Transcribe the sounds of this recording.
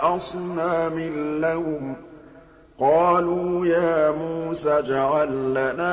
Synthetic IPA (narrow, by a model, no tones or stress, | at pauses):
ʔɑsˤnaːmɪlːahʊm | qɑːluːjaːmuːsaːd͡ʒaʕalːanaː